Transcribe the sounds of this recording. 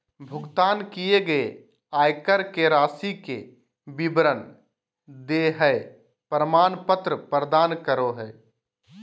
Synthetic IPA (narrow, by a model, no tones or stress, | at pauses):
bʱʊɡt̪aːnkijeɡəe | aːjkəɾkeɾaːsike | bibɾən | d̪eɦəe | pɾəmaːnpət̪ɾəpɾəd̪aːnkəɾoɦɛː